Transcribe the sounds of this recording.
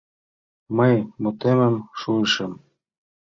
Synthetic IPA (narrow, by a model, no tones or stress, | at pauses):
məjmut̪emə̆mʃuəʃɤ̆m